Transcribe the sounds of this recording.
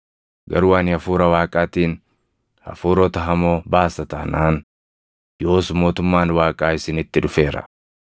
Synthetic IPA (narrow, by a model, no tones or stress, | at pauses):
ɡɐ̰ɾʊwaːnɪɐfuːɾɐwaːkʼaːt̪iːn | ɐ̰fuːɾɔt̪ɐɦɐmoːbaːsːɐt̪ɐnaːn | jo̞ːsʊmːo̞ːt̪ʊmːaːnwaːkʼaːɪsɪnɪt̪ːɪᶑʊfe̞ːɾɐ̰